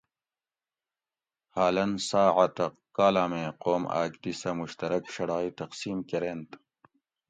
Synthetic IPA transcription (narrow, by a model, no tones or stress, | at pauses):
haːlɐnsaːʕat̪ɐ | kːaːlaːmẽːqoːma̰ːkd̪isɐmuɕt̪ɐɾɐkʂɐɽaːit̪ɐqsiːmkeɾeːnt̪